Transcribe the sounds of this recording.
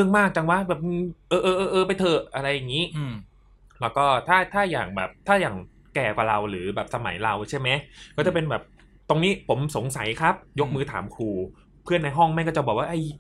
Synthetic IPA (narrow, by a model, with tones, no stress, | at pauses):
ɯ˥˩əŋmaː˥˩k̚t͡ɕa˧ŋwa˦˥bɛː˨˩p̚nɯ˧˩ʔɤː˧ʔɤː˧ʔɤː˧ʔɤː˧pa˧jt̪ʰɤː˧˩ʔa˧ɾa˧jːa˨˩ŋiː˦˥ | lɛː˦˥wkɔː˥˩t̪ʰaː˥˩t̪ʰaː˥˩ja̰ː˨˩ŋbɛ̰ː˨˩p̚t̪ʰaː˥˩jaː˨˩ŋ | kɛː˨˩kwa̰˨˩ɾa˧wɾɯː˩˦bɛː˨˩p̚sa˧ma̰˩˦jɾa˧wt͡ɕʰa˥˩jma˦˥jkɔː˥˩t͡ɕa˨˩pe˧nbɛː˨˩p̚ | t̪o˧ŋniː˦˥pʰo˩˦mso˩˦ŋsa˩˦jkʰa˦˥p̚jo˦˥k̚mɯː˧t̪ʰaː˩˦mkʰuː˧ | pʰɯ˥˩ənːa˧jɦɔ˥˩ŋma˧˥˩jkɔː˥˩t͡ɕa˨˩bɔː˨˩waː˥˩ʔa˥˩j